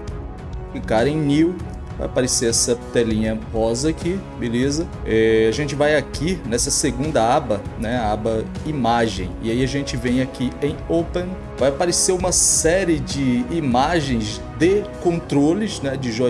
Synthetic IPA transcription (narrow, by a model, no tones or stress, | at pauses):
kɪkaɾɐẽj̃niw | va̰japaɾeseɛsɐt̪ɛlĩɲɐpɔzɐkʰibelezɐ | ɛaʒẽnt͡ʃɪvajakinɛsɐseɡũnd̪ɐabɐnɛabɐimaʒḛ̃j̃ɪaiaʒẽt͡ʃɪvẽj̃akiẽj̃opẽn | vajapaɾeseũmɐsɛɾɪd͡ʒɪːmaʒẽj̃z | d̪ekõnt̪ɾolɪznɛd͡ʒɪʒɔ